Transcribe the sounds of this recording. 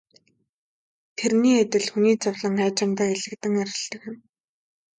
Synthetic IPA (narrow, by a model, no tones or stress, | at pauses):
t̪ʰerniːat̪ʲɪ̆ɮxuniːt͡sʊwɮə̆ŋæːt͡ɕɪ̆mt̪aːeɮɘ̆k̚t̪ɘ̆ŋæɾʲɪ̆ɬt̪ə̆kɪ̆m